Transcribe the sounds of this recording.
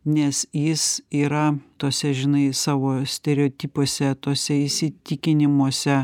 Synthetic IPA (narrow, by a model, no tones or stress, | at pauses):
nʲɛsjɪsiːɾɐt̪oːsʲɛʒʲɪnɐɪsɑːʋoːsʲt̪ʲɛɾʲɛoːt̪ʲiːpoːsʲɛt̪oːsʲɛɪsʲɪt̪ʲɪkʲɪnʲɪmoɔsʲɛ